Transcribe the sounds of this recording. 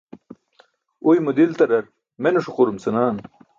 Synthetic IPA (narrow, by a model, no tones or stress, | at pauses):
ujmud̪ilt̪ɐɾɐɾ | menuʂuquɾumsɐnaːn